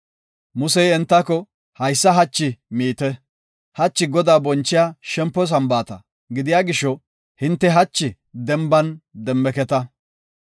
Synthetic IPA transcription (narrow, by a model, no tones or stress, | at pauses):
mʊsɛjɛnt̪ːɐkɔ | hɐjsːɐɦɐt͡ʃːɪmiːt̪ɛ | hɐt͡ʃːɪɡɔd̪aːbɔnt͡ʃːɪjaːʃɛmpːɔs̬ɐmbaːt̪ɐ̰ | ɡɪd̪ɪjaːɡɪʃːɔ | hɪnt̪ːɛɦɐt͡ʃːɪ | d̪ɛmbɐnd̪ɛmːɛkɛt̪ɐ